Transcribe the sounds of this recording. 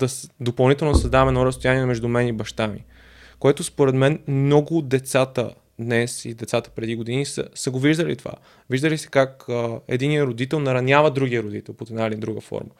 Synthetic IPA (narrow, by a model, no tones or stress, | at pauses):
d̪ɐsd̪opɐlˠnit̪ɛlˠnod̪sɐzd̪avɛmɛnɔɾəst̪ojaniɛmɛʒd̪umɛnibɐʃt̪amḭ | koɛt̪ospoɾɛt̪mɛnmmnɔɡʊd̪ɛt̪sat̪ə̰ | d̪nɛsḭd̪ɛt̪sat̪ə̥pɾɛd̪iɡod̪inisə̰səɡoviʒd̪əlḭt̪ova̰ | viʒd̪əlisɛ̥kakəɛ̰d̪inijəɾod̪it̪ɛlˠnɐɾɐnʲjavəd̪ɾuɡijəɾod̪ḭt̪ɛlˠpot̪ɛd̪naid̪ɛnd̪ɾuɡəfɔ̰ɾmə